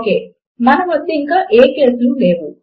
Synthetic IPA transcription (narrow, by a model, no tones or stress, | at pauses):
keː | mɐnɐʋɐd̪ːeiŋkaːʔeːkeːsɐnuleːʋu